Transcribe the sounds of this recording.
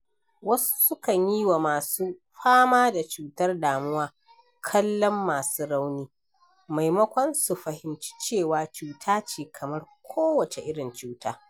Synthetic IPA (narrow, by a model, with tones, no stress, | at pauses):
wɐ˦su̥˦sʊ˦kɐ˨ɲji˦wa˨maː˨suː˦ | ɸaː˦maː˦da˨t͡ʃuː˨tɐ˦rdaː˨mʊ˦waː˦ | kʰɐ˦lːɔ˦mːaː˨suː˦ɽa˦wniː˦ | ma˨jmɐ˦kʷɔ˦nsu˨ɸɐ˨hɪ˨mt͡ʃi̥˦t͡ʃeː˦˨waː˨t͡ʃuː˨tʰaː˦t͡ʃiː˨kʰɐ˨mɐ˦rkʷʰoː˦wɐ˨t͡ʃe˨ʔɪ˦ɽɪ˨nt͡ʃuː˦taː˦